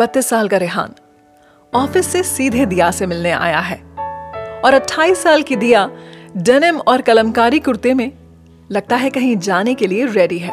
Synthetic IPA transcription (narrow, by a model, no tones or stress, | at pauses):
b̥ɐt̪ːɪsːaːlkaɾɪɦa̰ːn | ɔːfɪsːesiːd̪ʱed̪ijasemɪlneʔa̰ːja̰ɦɛː | ɔːɾɐʈʰːaːiːsːaːlkid̪ijaɖɛːnəmɔːɾkɐləmkaːɾikʊɾt̪emẽ | lɐɡ̚t̪aɦɛkɐɦĩd͡ʒaːnekelieɾɛːɖiɦɛː